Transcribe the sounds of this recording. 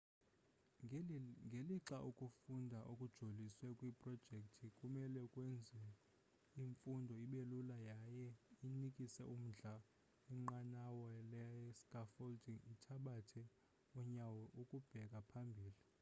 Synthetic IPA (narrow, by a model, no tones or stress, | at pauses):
ŋɡʱeliǁaʔukʼufundʱaʔokʼud̥ʒ̥ʱoliswɛkʼwipʼrɔd̥ʒ̥ʱek̚ʼtʰikʼumɛlɛkʼwɛnd͡zʱɛ | iɱfundʱɔiɓelulajajɛinikʼisɛʔum̩ɮa | iŋ͡ǃanawɔlɛskʼafoldiŋitʰaɓatʰɛ | ɔɲawɔʔukʼub̥ʱɛk̬ʼapʰambʱiːli